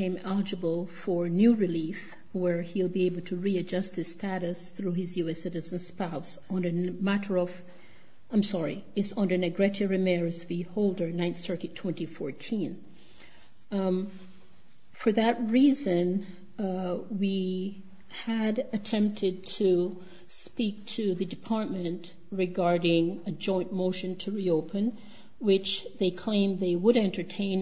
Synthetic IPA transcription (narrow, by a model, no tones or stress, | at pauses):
ẽɪ̃mɛlˠəd͡ʒəbl̩ˠfə˞njʉɹɨlif | wə˞ilˠbieɪbl̩ˠtʰɨɹiɨd͡ʒʌst̪̚ðɨz̥stʰæɾɨsθɹuɨzjʉɛsɪɾɨzɨ̃n̩spaʊs | n̩ɨmæɾə˞ʌv̥ | ãɪ̃msɑɹiɨtsʌ̃ndə˞nɨɡɹɛt͡ʃɨɹɨmɛɹzvihoʊlˠdə˞nãɪ̃nθsɜ˞kitʰw̥ɛ̃ntifɔɹtʰĩn | fə˞ðɨt̚ɹizɨ̃n | wi | ɨɾɨtʰɛ̃mp̚tʰɨd̚tʰɨ | spik̚tʰɨðɨdɨpʰɑɹt̚mɨ̃nʔ | ɹɨɡɑɹɾɪ̃ŋɨd͡ʒɔ̃ɪ̃nmoʊʃɨ̃ntʰɨɹioʊpʰɨ̃n | wɪt͡ʃðeɪkʰl̥ẽɪ̃mðeɪwəɾɛ̃ntə˞tʰẽɪ̃n